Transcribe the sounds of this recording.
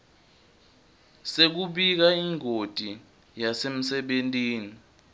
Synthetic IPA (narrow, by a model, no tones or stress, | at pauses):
sek̬uɓik̬aiŋʱotʼi | jasem̩sɛɓentʼiːni